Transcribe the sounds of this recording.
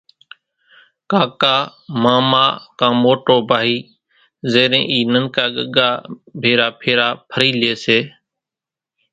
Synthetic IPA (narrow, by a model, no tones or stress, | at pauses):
kaːkaːmaːmaːkãːmoːʈoːbʱaːɦiː | zeːɾḛ̃ːʔiːnəŋkaːɠəɠaːbʱeːɾaːpʰeːɾaːpʰəɾiːleːseː